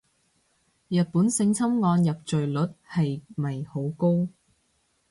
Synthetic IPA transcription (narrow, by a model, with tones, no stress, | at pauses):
jɐ˨t̚puː˨˥nsɪ˧ŋt͡sʰɐ˥mŋɔː˧njɐ˨p̚t͡ʃɵ˨ɥlɵ˨˥t̚hɐ˨jmɐ˨jho˨˥wko˥w